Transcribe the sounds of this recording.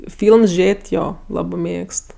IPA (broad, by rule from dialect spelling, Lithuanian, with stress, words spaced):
ˈfʲiːlˠms ˈʒʲeːtʲ ˈjoː ˈlˠɑːbɜ ˈmʲeːkst